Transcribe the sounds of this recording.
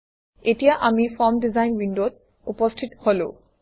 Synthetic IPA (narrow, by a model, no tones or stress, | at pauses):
etijaʔamifɔmdizajnwinɖot̚ | upɔsʈʰit̪holo